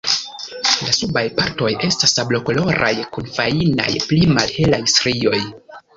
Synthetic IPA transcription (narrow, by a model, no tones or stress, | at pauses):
lasubajpaɾto̞je̞stasablo̞kolo̞ɾʔa̰jkunfaina̰jplimalhe̞lajsɾio̞j